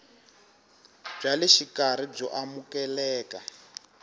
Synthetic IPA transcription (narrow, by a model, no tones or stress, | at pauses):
b͡ʐalɛʃikaɾ̤ib͡ʐɔ̰ʔamukɛlɛːka